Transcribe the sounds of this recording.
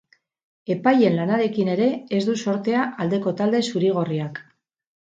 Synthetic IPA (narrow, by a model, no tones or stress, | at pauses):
e̞paje̞nlanaɾe̞kine̞ɾe̞ːzd̪uso̞ɾt̪e̞aʔald̪e̞ko̞t̪ald̪e̞suɾiɣ̞o̞riak